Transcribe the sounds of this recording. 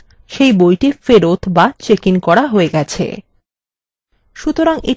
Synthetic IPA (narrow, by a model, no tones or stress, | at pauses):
ʃejbojʈifeɾot̪ʰbat͡ɕekinkɔɽaɦoeɡɛt͡ɕʰḛ | ʃut̪oɾaŋe